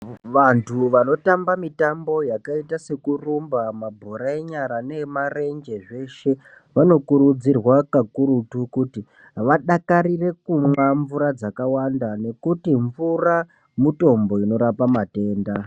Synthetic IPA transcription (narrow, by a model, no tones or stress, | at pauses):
ʋantʰuʋano̞tambamitambo̞jakaitase̞kurumbamabʱo̞ɾae̞ɲaɾane̞mare̞nd͡ʒe̞ʐe̞ʃe̞ | ʋano̞kuɾud͡zirwakakuɾutukuti | ʋaɗakaɾire̞kumwaɱvuɾad͡zakawandane̞kutiɱvura | muto̞mbo̞ino̞ɾapamate̞ːnda